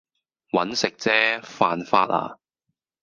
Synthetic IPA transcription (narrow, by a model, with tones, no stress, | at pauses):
wɐ˨˥nsɪ˨k̚t͡sɛː˥faː˧nfa̰ː˧t̚ʔa̰ː˨